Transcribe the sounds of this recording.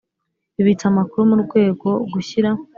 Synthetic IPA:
iβit͡samakuɾumuɾɡwe̞ːɡo̞ɡuçiɾa

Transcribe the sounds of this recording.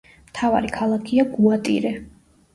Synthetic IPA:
mt̪ʰava̰ɾikʰalˠakʰiaɡuat̪ʼḭɾɛ

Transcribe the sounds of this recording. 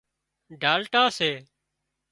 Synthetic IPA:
ɖʱaːlʈaːseː

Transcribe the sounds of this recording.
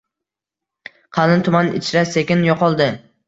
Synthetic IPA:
qʰɑlɪnt̪ʰʊmanɪ̰t͡ʃʰɾase̞kʲɪnjɒqʰɒlˠd̪ɪ

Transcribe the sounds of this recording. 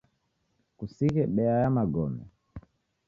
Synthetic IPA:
kusikɛɓɛajamaɡɔmɛ̰

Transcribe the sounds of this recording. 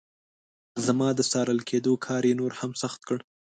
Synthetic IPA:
zamɑd̪əsɑɾəlkʰed̪okʰɑɾjenoɾhamsaxt̪̚kəɽ

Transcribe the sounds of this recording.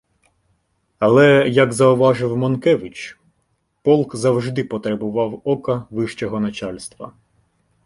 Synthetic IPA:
ɐlˠɛjɐɡzɐʊʋɑʒɪwmɔnkɛʋɪt͡ʃ | pɔlˠkzɐwʒd̪ɪpɔt̪ɾebʊʋɑwɔkɐʋɪʃt͡ʃɛɦɔnɐt͡ʃɑlʲst̪ʋɐ̰

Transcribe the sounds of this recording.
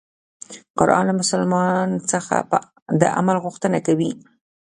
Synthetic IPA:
qʊɾʔɑ̰nlamʊsalmɑnt͡səxa̰pə | d̪əʔa̰malɣʊxt̪ənakawi

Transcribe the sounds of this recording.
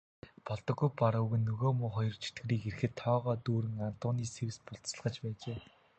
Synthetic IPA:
pɔɮt̪ɞ̆ɣujpaɾʊuɣɘ̆nːɵɣoːmʊːχɔjɞ̆rt͡ɕʰi̥t̪ɡɘ̆ɾiːkerxɘ̆t̪ʰːɔːʁɔːt̪uːɾɘ̆ŋan̥t̪ʊːniːsewspʊɬt͡st͡sə̆ɮʁə̆t͡ɕpæːt͡ɕeː

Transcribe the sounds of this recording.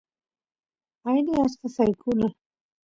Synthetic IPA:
ajdeast̪asajkʰula

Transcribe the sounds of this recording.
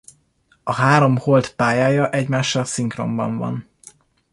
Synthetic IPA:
ɒɦaːɾo̞mho̞lt̪paːjaːjɒʔɛɟmaːʃːɒlsiŋkro̞̰mbɒ̰ɱvɒ̰n

